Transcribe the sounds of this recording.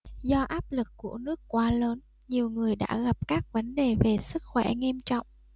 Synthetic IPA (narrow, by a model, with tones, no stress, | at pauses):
zɔ˧ʔaː˦˥p̚lɨ˨˩kːu˧˩ənɨ˦˥əkːwaː˨˦ləː˨˦n | ɲi˨˩əwŋɨ˨˩əjɗa̰ː˧˥ɣa˨˩p̚kaː˦˥k̚və˨˦nɗe˨˩ve˨˩sɨ˦˥k̚xwɛ̰˧˩ŋi˧mt͡ɕɔ̰˧˨wŋ͡m